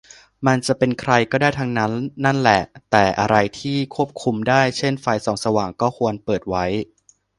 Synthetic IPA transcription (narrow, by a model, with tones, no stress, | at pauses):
ma˧nt͡ɕa˨˩ʔpe˧nkʰɾa˧jkɔː˥˩daː˥˩jt̪ʰa˧ŋna˦˥nːa˥˩nlɛ˨˩t̪ɛː˨˩ʔa˧ɾa˧jt̪ʰiː˥˩kʰu˥˩əp̚kʰu˧mdaː˥˩jt͡ɕʰe˥˩nfa˧jsɔː˩˦ŋsa˧waː˨˩ŋkɔː˥˩kʰu˧ənpɤː˨˩t̪̚wa˦˥j